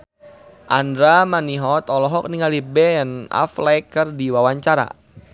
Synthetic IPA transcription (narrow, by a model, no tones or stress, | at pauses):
ʔandɾamaniɦɔt̪ɔlɔɦɔk̚niŋalibɛna̰flajkːərdiwawaɲt͡ʃaɾa̰